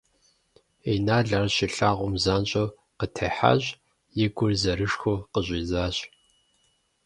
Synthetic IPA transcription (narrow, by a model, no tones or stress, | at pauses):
enaːɮarɕiɬaːʁʷʊmzaːnɕʼo | qətʰɐħa̰ʑʷ | jɪɡʷʊrzɐɾɨʂxʷoqəʑʷʼiːzaːɕʼ